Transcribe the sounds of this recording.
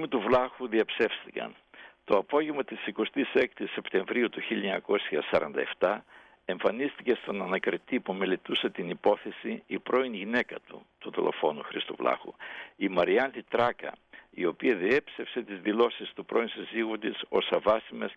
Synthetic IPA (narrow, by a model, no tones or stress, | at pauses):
mit̪uvlɐxuðiɐpse̞fst̪ikɐ̰n | t̪o̞ɐpo̞ʝevmɐt̪isiko̞st̪isekt̪ise̞pt̪e̞ɱvɾiut̪uçiʎɐɲɐko̞sçɐsɐɾɐ̰nd̪ɐ̰e̞ft̪ɐ | e̞ɱfɐnist̪ice̞st̪o̞nɐnɐkɾit̪ipume̞let̪use̞t̪inipo̞θe̞siipɾʔo̞inʝine̞kɐt̪ṵt̪uðilo̞̰fo̞nuxɾist̪uvlɐ̰xuimɐɾiɐnt̪it̪ɾɐkɐ̰io̞piɐðie̞pse̞fse̞t̪izðilo̞sist̪upɾʔo̞insiziɣut̪iso̞sɐvɐsimes